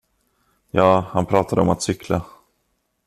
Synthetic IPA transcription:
jɑːhanpʰɾɑːt̪ad̪əɔmat̪sʏkʰla

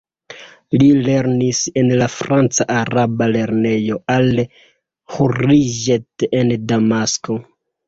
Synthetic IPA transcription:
lile̞ɾnise̞nlafɾant͡saʔaɾabale̞ɾne̞jo̞al | huɾiʒetendamasko̞

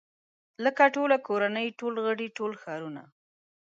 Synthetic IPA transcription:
ləkaʈolakoɾanəjʈolɣəɽiʈolxɑɾuna̰

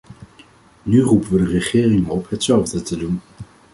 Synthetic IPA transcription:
nyrupəʋədərəχɪːrɪŋəɔpɦətsɛlˠvdətədun

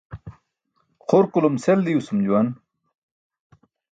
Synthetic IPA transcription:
χoɾkulomseld̪iusumd͡ʑuwɐn

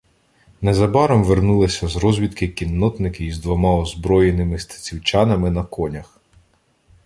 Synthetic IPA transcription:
nɛzɐbɑɾɔmʋernulˠɪsʲɐzɾɔzʲʋʲit̪kɪkʲinːɔt̪nɪkɪizd̪ʋɔmɑɔzbɾɔjenɪmɪst̪ɐ̥t͡sʲiwt͡ʃɑnɐmɪnɐkɔnʲɐx

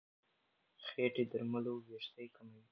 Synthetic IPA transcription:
xeʈed̪əɾmaloweʃt̪ajkamawi

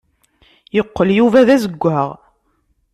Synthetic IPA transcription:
jəqːəljuvæðæzəɡʷːæʁ

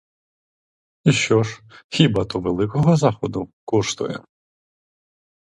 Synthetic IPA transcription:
iʃt͡ʃɔʒxʲibɑt̪ɔʋelˠɪkɔɦɔzɑxɔd̪ʊkɔʃt̪ʊ̰jɛ̰

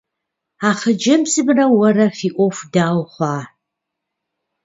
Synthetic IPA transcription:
aːχəd͡ʒɐmsɨbrɐwɐrɐfiːʔʷʼɔfdaːwχʷɑː

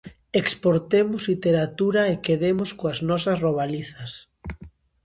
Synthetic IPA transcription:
ekspoɾt̪emʊzlit̪eɾat̪uɾaekeðemʊskoaznɔsɐsroβ̞aliθɐs

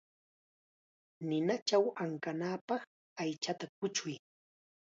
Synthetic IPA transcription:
nɪnat͡ʃawaŋkanaːpɑχ | ajt͡ʃat̪akʊt͡ʃʊj

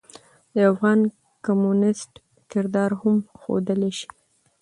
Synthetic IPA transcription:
d̪əafɣɑn | kamunɪsʈ | kɪɾd̪ɑɾhamxo̰d̪əleʃi̥

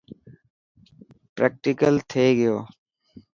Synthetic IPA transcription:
pɾeːk̚ʈɪkəlt̪ʰeːɡɪjoː

